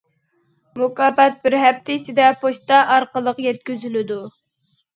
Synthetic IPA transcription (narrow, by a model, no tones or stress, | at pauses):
mukɑːpɛt̪̚bɪɾɦɛpt̪ʰɪit͡ʃʰid̪ɛpʰoʃt̪ɑʔɑɾqəlˠəqjɛt̪̚kʲyzylɪd̪u